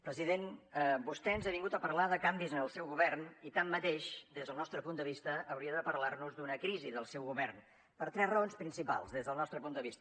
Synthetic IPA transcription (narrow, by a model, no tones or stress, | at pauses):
pɾəziðenbust̪ɛənzeβiŋɡut̪əpəɾlaðəkambizənəlˠsɛwɣuβɛrnit̪amːət̪eʃd̪ezðəlˠnɔst̪ɾəpund̪əβist̪əʔːwɾiəðəpəɾlarnuzd̪unəkɾiziðəlˠsɛwɣuβɛrn | pəɾt̪ɾɛzrəonspɾinsipa̰lˠzðezðəlˠnɔst̪ɾəpund̪əβist̪ə